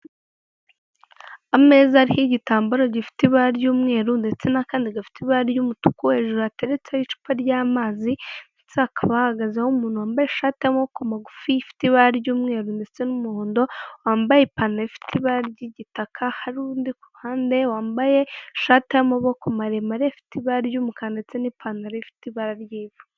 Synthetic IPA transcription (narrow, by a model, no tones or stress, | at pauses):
ameːzaːɾihiɟitaːmbuɾoɟifi̥tiβaɾɟuːmŋe̞ːɾundet͡senakaːndiɡafi̥tiβaɾjumutu̥kuhe̞ːʒuɾoate̞ɾet͡seit͡ʃu̥paɾɟaːmaːzinit͡seakʰaβahaɡazahumuːn̥huwaːmbajeʃaːteamokomaɡufifi̥tiβaɾaɾɟuːmŋeːɾuːndet͡senumuhoːndo̞waːmbajepaːnaɾifi̥tʰiβaɾaɾɟiɟitakʰahaɾundikuɾuhaːnde̞waːmbaje̞ʃaːtihamoβokomaɾemaɾefi̥tiβaɾaɾjuːmukaːndet͡senipʰanaɾefi̥tiβaɾaɾjiːvu